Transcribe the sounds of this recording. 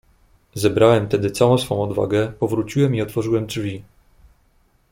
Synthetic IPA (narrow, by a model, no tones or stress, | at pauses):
zɛbɾawɛmt̪ɛd̪ɘt̪sawɔ̃w̃sfɔ̃w̃ɔd̪va̰ɡɛpɔvɾut͡ɕiwɛmiɔt̪fɔʐɘwɛmd͡ʐvʲi